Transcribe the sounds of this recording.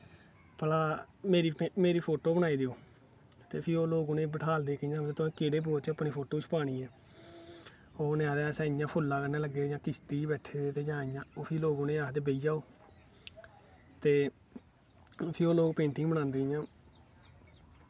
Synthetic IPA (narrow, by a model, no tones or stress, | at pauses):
pəlaːmeːɾiːmeːɾiːpʰoːʈoːbəɽ̃aːiːd̪eːoː | t̪eːpʰɪɾoːloːɡoːnẽːbəʈʰaːld̪eːkəjãːt̪ʊẽːkeːɽeːp̬oːt͡ʃəpːniːpʰoːʈoːt͡ʃʰpaːɽ̃iːɛː | oːneaːd̪ɛːsɛ̃ːɪjãːpʰʊlːaːkəneːləɡeːd͡ʒãːkɪst̪iːbɛːʈʰeːd̪eːt̪eːd͡ʒãːɪjãːoːpʰɪːloːɡoːnẽːaːd̪eːbeiːd͡ʒaːoː | t̪eː | pʰɪɾoːloːɡpẽːɳʈĩːbəɽ̃ãːnd̪eːjãː